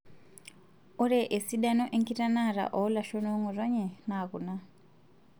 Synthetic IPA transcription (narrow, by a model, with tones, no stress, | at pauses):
o˦ɾe˨ʔe˨si˦ɗa˦no˦ʔe˦ŋɡi˦ta˦na˦˨ɾa̰˨ʔɔ˨˦la˨ʃo˦no˦ŋwu˨ra˦ɲe˨na˨ku˨na˦